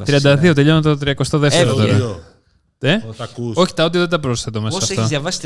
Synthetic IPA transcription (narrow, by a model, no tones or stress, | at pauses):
t̪ɾiɐnd̪ɐðio̞t̪eʎont̪ot̪ɾiɐko̞st̪oðeft̪ɾooɾɐ | t̪eo̞çi̥t̪ɐot̪ioðed̪ɐpɾo̞sθet̪omesssɐft̪ɐzɐvɐs